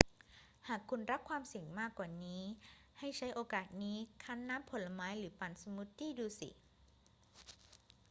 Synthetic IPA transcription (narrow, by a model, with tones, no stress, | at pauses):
haː˨˩kʰːu˧nɾa˦˥p̚kʰwaː˧msi˨˩ŋmaː˥˩kwaː˨˩niː˦˥ha˥˩jt͡ɕʰa˦˥jʔoː˧kaː˨˩t̪̚niː˦˥kʰa˦˥nːaː˦˥mpʰo˨˩˦nla˧maː˦˥jɾɯː˩˦pa˨˩nsa˧mu˦˥t̪ʰːiː˥˩duː˧sḭ˨˩